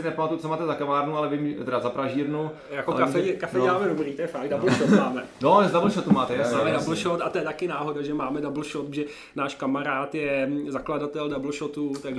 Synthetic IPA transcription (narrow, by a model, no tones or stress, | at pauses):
ɪnɛpamat̪ut͡somaːt̪ɛzakavaːɾnualɛvɪmt̪ɛɾazapɾaʒiːɾnu | jakokafɛɛkafɛɛmaːmɛdobɾiːt̪ojɛfaɡ̚dalʃomaːmɛnozdabl̩ʃot̪umaːt̪ɛjamaːmɛdabl̩ʃot̪at̪ojɛt̪akɪnaːɦo̞daʒɛmaːmɛdabl̩ʃot̪̚ʒɛ | naːʃkamaɾaːt̪jɛzakladat̪ɛldabl̩ʃot̪ut̪aɡʒ